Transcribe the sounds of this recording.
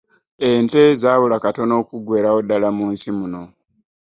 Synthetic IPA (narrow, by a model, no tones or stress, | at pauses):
ente̞zaːβulakato̞no̞ːkuɡwe̞ːɾao̞dalamuːnsimuno̞